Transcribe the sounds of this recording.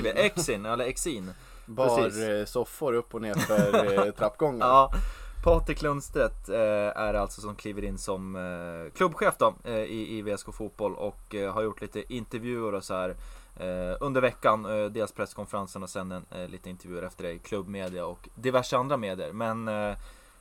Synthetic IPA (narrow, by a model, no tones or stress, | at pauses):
ʔɛksɪnɛlːəɾɛksiːn | bɾsɔfːʊɾɵpːɔneːɾfœɾt̪ʰɾapːɡɔŋːəɑːpʰɑːʈ̪ɪkʰlɵnst̪ɾət̪æɾalt̪sɔsɔmkʰliːvəɾɪnːsɔmkʰlɵbːɧeːfd̪ɔɪɪveːɛskʰoːfuːt̪̚b̥ɔlɔ̰kɦaɾjʊʈːliːt̪əʔɪnt̪əɾvjʉ̟ːəɖɔsɔhæːɾ | ɵnd̪əɾvɛkːand̪eːlspʰɾɛskʰɔnfɛɾansənɔsɛnːɛnlʔiːt̪əɪnt̪əɾvjʉ̟ːɾɛft̪əɖɛkʰlɵbmeːd̪ɪaɔkd̪ɪvæʂəand̪ɾameːd̪ɪə̰ɾmɛn